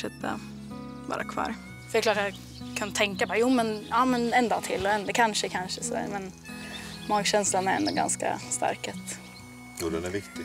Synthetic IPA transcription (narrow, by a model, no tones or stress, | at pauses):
ʂɛt̪ʰːa̰ | bɑ̰ːɾakʰvɑ̰ːɾ | fœɖɛklɑːʈ̬ːajɑ | kʰɵnət̪ʰɛŋkabɑːɾajuːmɛnjɑːmɛnɛnd̪ɑːt̪ʰɪlːɔɛnd̪əkʰanʂəkʰanʂəsɔd̪æ̰ːɾmɛn | mɑːɡɕɛnslanæɾɛ̰nd̪ɔɡa̰nska̰st̪a̰ɾkat̪ | juːd̪ɛnæɾvɪkt̪ɪ